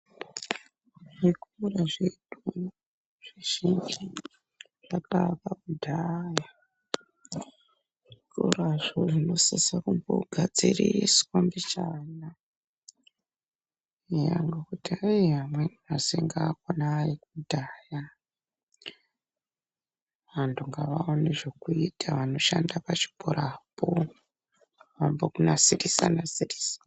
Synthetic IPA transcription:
ʐekuraʐedu | ʐ̥iʒ̥ind͡ʒi | ʐ̥apapaudʱaja | ʐkoraʐoʐino̞sisakumbo̰ɡʱad͡ziriswambit͡ʃana | ija̰ŋɡokutiaiɦamweniaseŋɡaːkonaːrikudʱaːja | ʋantʰuŋɡaʋaoneʐekuitʰaʋano̞ʃandapat͡ʃi̥bʱoɾaːpo | ʋambokunasirisa̰nasirisḁ

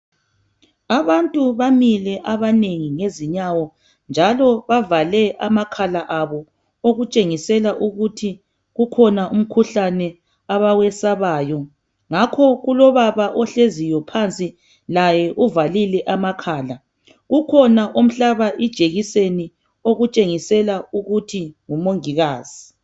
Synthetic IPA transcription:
aβantʼuβamilɛʔaβaneŋiŋeziɲawɔ | nd͡ʒʱalɔβavalɛamakʰalaʔaβɔ | oɣut͡ʃʼeŋisɛlaʔuɣutʰi | ɣukʰɔnaʔum̩kʰuɬanɛ | aβawɛsaβaːjɔ | ŋakʰɔɣulɔβaβaʔɔɬezijɔpʰant͡sʼi | lajɛʔuvalilɛʔamakʰaːla | ɣukʰɔnaʔom̩ɬaβaʔid̥ʒ̥ʱeɣiseni | oɣut͡ʃʼeŋisɛlauɣutʰiŋumoŋiɣaːz̥i

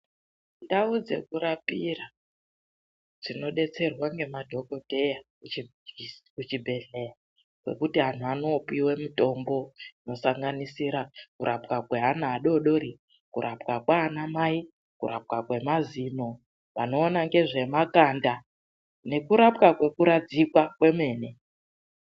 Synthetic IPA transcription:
ndaud͡ze̞̰kuɾapira | d͡zino̞ɗe̞t͡se̞rwaŋɡe̞madʱo̞ko̞te̞jakuikut͡ʃibʱe̞ɮe̞ja | kwe̞̰kutiɦanuano̞piwe̞muto̞mbo̞ino̞saŋɡanisiɾakuɾʔapkakwe̞ɦanaːɗo̞ɗo̞ɾi | kuɾʔapkakwaːnamai | kuɾap̚kakwe̞mazino̞ | pano̞ːnaŋɡe̞ʐe̞makanda | ne̞kuɾapkakwe̞kuɾad͡zikwakwe̞me̞ːne̞

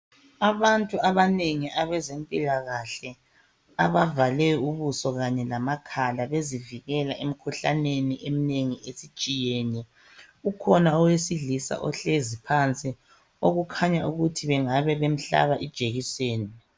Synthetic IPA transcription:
aβantʼuaβaneŋiʔaβɛzempʼilaɣaɬɛ | aβavalɛuβusɔɣaɲɛlamakʰalaβeziviɣɛlaʔem̩kʰuɬa̰neniʔemineŋiʔesi̥t͡ʃʼijɛːnɛ | ukʰɔnaɔwesiɮisa̰ʔɔ̰ɬezipʰant͡sʼi | oɣukʰaɲauɣutʰiβɛŋaβɛβem̩ɬa̰βaʔid̥ʒ̥ʱeɣiseːni

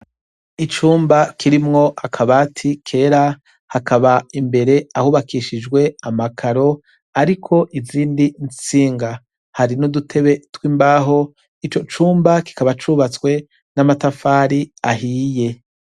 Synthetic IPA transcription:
it͡ʃuːmbakʰiɾimŋo̞ʔakʰaβaːtʰikʰe̞ːɾa | hakʰaβaimbe̞ɾe̞ahuːβakiʃid͡ʒɡwe̞amakʰaɾo̞ | aɾikʰo̞ʔiziːndint͡siːŋɡa | haɾinudutʰe̞βe̞twiːmbaːɦo̞ | it͡ʃo̞t͡ʃuːmbaki̥kaβat͡ʃuːβat͡skwe̞ | namatafaːɾiahiːje̞

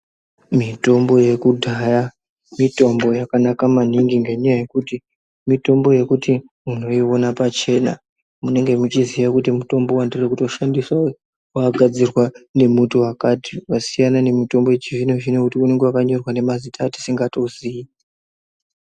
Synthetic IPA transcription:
mito̞mbo̞je̞kudʱaja | mito̞mbo̞jakanakamaniŋɡiŋɡeɲajaje̞kuti | mito̞mbo̞je̞kuti | uno̞io̞napat͡ʃe̞na̰ | mune̞ŋɡe̞mut͡ʃiziʋakutimuto̞mbo̞wandirekuto̞ʃandiswa | waɡʱad͡zirwane̞mutuwakatiwasijanane̞mito̞mbo̞jet͡ʃivineʐinekutiune̞ŋɡewakaɲo̞rwane̞mazitaːti̥siŋɡato̞zii

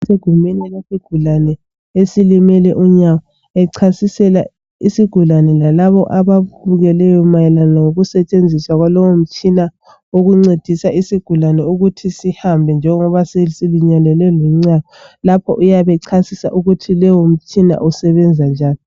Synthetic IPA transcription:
seɡ̥ʱumɛnɛlesiɡ̥ʱulanɛ | esilimɛlɛʔuɲawɔ | ɛǀʰasisɛla | isiɡ̥ʱulanɛlalaβɔʔaβaβuɣɛlɛjɔmajɛlanaŋoɣusɛt͡ʃʼend͡zʱiswaɣwalɔwom̩t͡ʃʼina | oɣuŋ͡ǀed̥ʱisaʔisiɡ̥ʱulanɛuɣutʰisihambʱɛnd͡ʒʱɛŋɔβasesiluɲanɛlɛluŋ͡ǀajɔlapʰɔ̰ʔujaβɛǀʰasisa̰ʔuɣutʰilɛwom̩t͡ʃʼina̰ʔusɛβɛnd͡zʱand͡ʒʱaːni

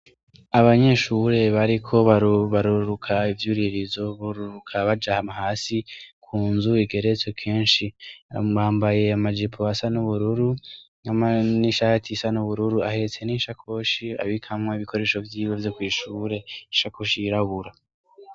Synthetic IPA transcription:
aβaɲe̞ʃuɾe̞βaɾikʰo̞βaβaɾuɾukʰaivjuːɾiɾizo̞βuɾuɾukʰaβad͡ʒahamahaːsikʰuːnzuiɡe̞ɾet͡sokʰeːnʃiaβaːmbaje̞amad͡ʒipʰoasanuβuɾuɾunaaniʃahatʰisanuβuɾuɾua̰he̞t͡se̞niːʃakʰo̞ʃia̰βikʰamŋeiβikʰo̞ɾe̞ːʃo̞vjiːwe̞vjo̞kwiːʃuːɾe̞iʃakoʃiiɾaɡuɾa

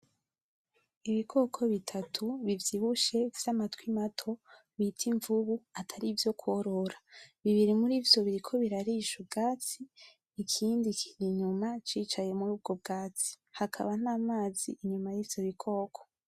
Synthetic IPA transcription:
iβikʰo̞ːkʰo̞βitʰatʰuβivjiβuʃe̞vz̥amatwimatʰo̞ | βitʰiɱvuβuatʰaɾivjo̞kʰwoɾo̞ɾaβiβiɾimuɾiːvjo̞βiɾikʰo̞βiɾaɾiʃub̚ɡaːt͡siː | kʰiːndikʰiɾiɲumat͡ʃiːt͡ʃaje̞muɾuːb̚ɡo̞b̚ɡaːt͡si̥ | hakʰa̰βanaːmaːzḭʔiɲumajiːvj̥o̞βikʰo̞ːkʰo̥

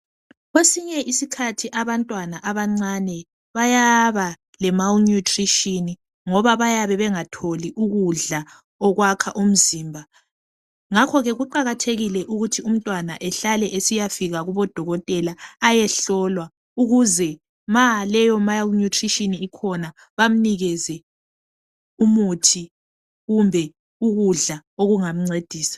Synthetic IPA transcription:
ɣwesiɲɛʔisikʰatʰiʔaβantʼwanaʔaβaŋ͡ǀanɛ | βajaβa | lɛmalnutʰʼriʃini | ŋɔβaβajaβɛβɛŋatʰoliʔuɣuɮa | ɔɣwakʰaʔum̩ziːmbʱa | ŋakʰɔɣɛɣuǃaɣatʰeɣilɛʔuɣutʰium̩tʼwana̰ʔɛɬalɛʔesijafiɣaɣuβɔd̥ʱɔɣɔtʼɛlaːjɛɬɔlwa | uɣuzɛ | malɛjɔmajlnutʰriʃiniikʰɔna | βam̩niɣɛzɛ | umutʰi | ɣumbʱɛ | uɣuɮaoɣuŋam̩ŋ͡ǀed̥ʱiːsḁ

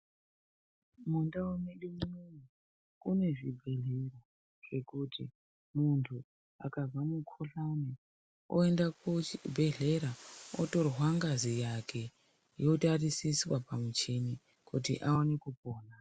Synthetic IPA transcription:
mundawomeɗimimini | une̞ʐibʱe̞ɮero | ʐ̥e̞kutʰi | muntʰu | akazamukʰoɬane | o̰endakobʱe̞ɮe̞ɾaoto̞rwaŋɡazijakʰe̞ | jo̞tarisiswapamut͡ʃeni | kutḭʔaonekupoːna

